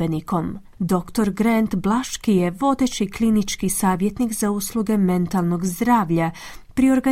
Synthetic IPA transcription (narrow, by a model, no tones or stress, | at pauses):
eniko̞m | d̪o̞kt̪o̞ɾɡɾent̪blˠaʃkijeʋo̞d̪e̞t͡ɕiklinit͡ʃkisaːʋje̞t̪nikzauslˠuɡe̞me̞nt̪alˠno̞ɡzd̪ɾaːʋʎapɾio̞ɾɡa